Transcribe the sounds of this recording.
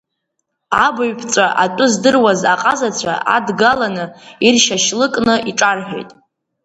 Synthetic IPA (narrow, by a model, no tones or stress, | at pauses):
aboɥpʰt͡sʷʼaʔatʷʼʊzdɨrwazaqʼazat͡ɕʷʰa̰ʔadɡalanɨirʃaʃlɨkʼnɨʔiʈ͡ʂʼarħᶣo̞̰jtʼ